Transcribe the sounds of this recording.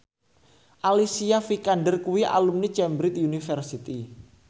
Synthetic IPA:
ʔalisiafikanɖərkuwiʔa̰lumnit͡ʃɛmbɾɪt̪̚junifərsit̪i

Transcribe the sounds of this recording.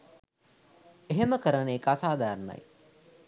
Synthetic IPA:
eɦeməkəɾəneekasaːd̪aːɾna̰j

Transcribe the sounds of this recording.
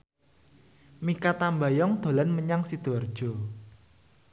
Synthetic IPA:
mikat̪ambajɔŋd̪̥o̤lanməɲaŋsid̪̥ɔ̤rd̥ʒ̥ɔ̤

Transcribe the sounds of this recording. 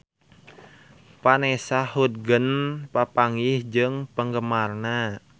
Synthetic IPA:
panɛsahut̪̚ɡənpapaŋɪhd͡ʒɨŋpəŋɡəmarna

